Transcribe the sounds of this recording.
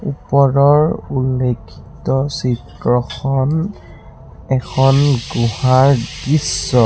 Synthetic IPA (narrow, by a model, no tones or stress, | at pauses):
upɔɹɔɹulːekʰːi̥tɔsitɹɔxʰɔn | ɛkʰɔnɡuhaɹɡisːɔ